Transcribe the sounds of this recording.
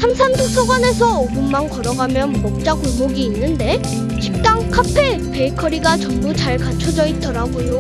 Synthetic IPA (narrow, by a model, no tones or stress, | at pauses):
sʰamsʰantʰuk̚sʰʌɡwane̞sʰʌoɡɯnmankʌɾʌɡamjʌnmʌk̚t͡ɕ͈akuɭmoɡiːnːɯnde̞ | t͡ɕʰip̚t͈aŋkʰapʰepe̞ikʰʌɾiɡat͡ɕʌmːut͡ɕaɭkat͡ɕʰʌd͡ʑʌit͈ʌɾaɡojo